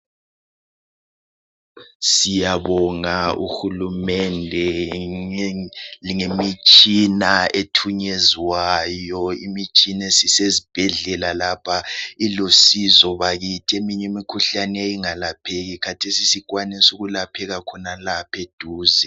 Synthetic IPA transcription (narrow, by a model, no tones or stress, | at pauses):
sijaβɔŋaṵxulumɛndʱɛ | liŋemit͡ʃʼinaetʰuɲeziwajɔimit͡ʃʼinesisezib̥ʱɛɮɛlalapʰailosizɔβaɣitʰiemiɲemikʰuɬaneiŋalapʰeɣikʰatʰesisikwanɛsuɣulapʰɛɣakʰɔnalapʰed̥ʱuːzɛ